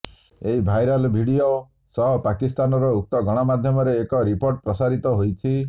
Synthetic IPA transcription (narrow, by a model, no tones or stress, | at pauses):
eɦibʱajɾalbʱiɽijo | sɔɦɔpakist̪anɔɾɔuk̚t̪ɔɡʱɔɽ̃ɔmad̪ʱjɔmɔɾeːkɔɾipoɾʈ̚pɾɔsaɾit̪ɔɦojt͡ʃʰi